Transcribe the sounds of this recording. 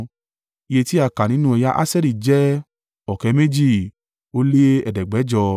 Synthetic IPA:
i˧je˧ti˦a˦˧˨ka˨nĩ˨˦nũ˦ɛ˧ja˦ʔa̰˦sɛ˦ɾi˨d͡ʒɛ˦ | ɔ˨kɛ˨˧˦mẽ˦d͡ʒi˦˨ | o˦le˦ɛ̰˨dɛ˨ɡ͡bɛ˨˦d͡ʒɔ˧

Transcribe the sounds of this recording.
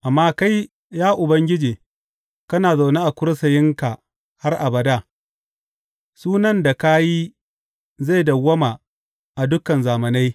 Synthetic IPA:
ʔa˨mːaː˦ka˦j | jaː˦ʔʊ˨bɐ˦ŋɡʲɪ˦d͡ʒeː˨ | kɐ˦naː˨za˨ne˦ʔa˨kʷʊ˦ɽsɐ˨jɪ˦ŋka˨ | ha˦rʔa˨bɐ˨da˦˨ | suː˦nɐ˦nda˨ka˦ji˦ | za˦˨jdɐ˨wɐ˦ma˨ | ʔa˨dʊ˦kɐ˨nzaː˨mɐ˨na˦j

